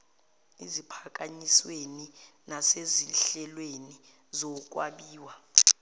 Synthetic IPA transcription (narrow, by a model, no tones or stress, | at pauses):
izipʰak̬ʼaɲisweninaseziɬɛlweni | zɔk̬wa̰ɓiːwa